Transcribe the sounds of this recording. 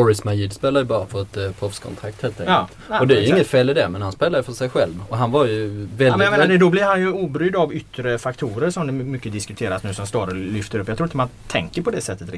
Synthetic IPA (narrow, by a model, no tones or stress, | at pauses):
ɔɾɪsmajid̪speːlajəbɑːɾafœɾɛt̪pʰɾɔfskʰɔ̰nt̪ʰɾakt̪heːlt̪ʰɛk̪ːt̪ɔd̪ɛæjʉɪŋːət̪feːlːɪd̪æmɛnhanspeːlaɾjəfœʂɛjɧɛlvɔɦanvaɾjɵvɛldɛjameːnd̪ɛd̪ɔblɪɾhanjɵuːbɾʏd̪avʏt̪ːɾəfakt̪ʰuːɾəɾʂɔmd̪ɛmʏkːəd̪ɪskɵt̪ʰeːɾasnʉ̟ːsɔmst̪oːɾəlʏft̪əɾɵpːjaɡt̪ɾuːɪnt̪əmant̪ʰɛ̰ŋkəɾpʰɔd̪ɛsɛt̪ːət̪ɾɪ̰